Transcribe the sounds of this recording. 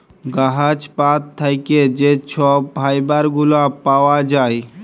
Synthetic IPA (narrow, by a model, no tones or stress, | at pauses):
ɡaɦət͡ʃpat̪ʰːəjked͡ʒet͡ʃʰɔbʱaːibaɾɡulãpaːwad͡ʒaːi